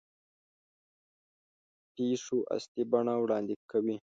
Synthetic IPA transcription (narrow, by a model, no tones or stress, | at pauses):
peʂoʔa̰st̪ibaɳawɽɑnd̪ɪkawi